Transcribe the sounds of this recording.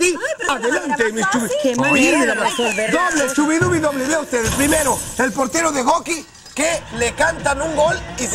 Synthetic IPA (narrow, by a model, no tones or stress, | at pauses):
iaðelant̪emist͡ʃuβikiimelamasod̪oβlet͡ʃuβiðuβiðoβleβeaust̪eðepɾime̞ɾoelpoɾt̪eɾoðe̞ɣoki | kelekant̪anuŋɡo̞li